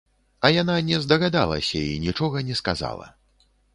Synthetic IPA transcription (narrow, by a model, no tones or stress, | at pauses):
ɐjananʲɛzd̪ɐɣad̪a̰lˠɐ̰sʲɐinʲit͡ʂɔɣɐnʲɛskaza̰lˠɐ̰